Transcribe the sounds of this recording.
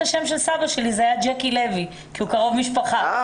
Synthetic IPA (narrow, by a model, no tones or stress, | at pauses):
aʃe̞mʃelsabaʃe̞lizeajad͡ʒekilevi | kiukaʁo̞vmiʃpaχa